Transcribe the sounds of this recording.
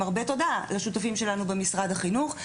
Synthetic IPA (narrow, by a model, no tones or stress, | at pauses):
aʁbe̞to̞dalaʃutafimʃe̞lanubemisʁad̪aχinuχ